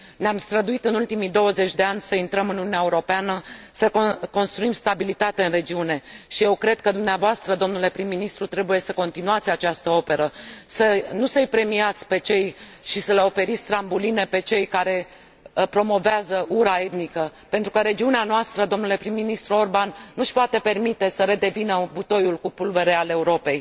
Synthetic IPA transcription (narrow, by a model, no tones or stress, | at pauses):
neamst̪ɾəd̪uit̪ɨnult̪imid̪o̞wəzet͡ʃʲd̪e̞anʲsəint̪ɾəmɨnununaeuɾo̞peanəsəkko̞nst̪ɾuimst̪abilit̪at̪eɨnre̞d͡ʒiune̞ʃije̞wkɾe̞d̪̚kəd̪umneavoast̪ɾəd̪o̞mnule̞pɾimːinist̪ɾut̪ɾe̞buje̞səko̞nt̪inuat̪sʲat͡ʃast̪əo̞peɾəsənusəɨjpɾe̞miat̪sʲpe̞t͡ʃe̞j | ʃisəleo̞fe̞ɾit̪sʲt̪ɾambuline̞pe̞t͡ʃe̞jkaɾe̞ | pɾo̞mo̞veazəʔuɾae̞t̪nikəpe̞nt̪ɾukəɾe̞d͡ʒiuneanoast̪ɾəd̪o̞mnule̞pɾimːinist̪ɾuo̞rbanːuʃpoat̪e̞pe̞rmit̪e̞səɾe̞d̪e̞vinəbut̪o̞julkupulveɾeale̞uɾo̞pe̞j